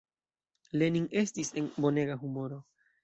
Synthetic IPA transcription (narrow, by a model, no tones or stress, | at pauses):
le̞niŋe̞stise̞nbo̞ne̞ɡaɦumo̞ɾo̞